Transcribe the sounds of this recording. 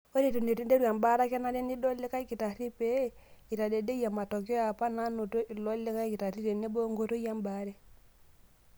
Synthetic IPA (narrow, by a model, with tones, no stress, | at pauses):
o˦ɾe˨tu˨ne˨te˦nde˦ɾwa˨mba˦ɾa˦kɛ˦na˦de˦ni˦dɔ˦le˦ka˦i˦ki˨ta˨ɾi˦pe˦i˨ta˨de˨de˦ja˨ma˨tɔ˨kjɔ˦ja˨pa˦na˦no˨to˦ʔi˨lɔ˦le˦ka˦i˦ki˨ta˨ɾi˦ɾe˨ne˦bo˦ŋɡo˦to˦ja˦mba˦ɾɛ˦